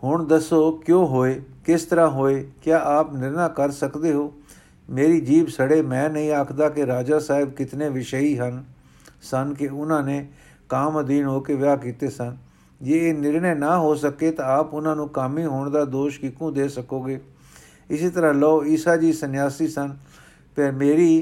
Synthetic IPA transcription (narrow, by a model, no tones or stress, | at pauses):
ɦʊɳd̪əsoːkjõːɦoːeːkɪst̪əɾãːɦoːeːkjaːʔaːpnɪɾnaːkəɾsəkd̪eːɦoː | meːɾiːd͡ʒiːbsəɽeːmɛ̃ːnəĩːaːkʰd̪aːkɪɾaːd͡ʒaːsaːɪb̚kɪt̪nẽːʋɪʃəiːɦən | sənkɪʊnãːneː | kaːmd̪iːnɦoːkeʋɪaːkiːt̪eːsən | d͡ʒeːeːnɪɾɳeːnaːɦoːsəkeːt̪ãːaːpʊnãːnũːkamĩːɦoːɳd̪aːd̪oːʃkɪkũːd̪eːsəkoːɡeː | ɪseːt̪əɾãːlɔːiːsaːd͡ʒiːsənjaːsiːsən | pemeːɾiː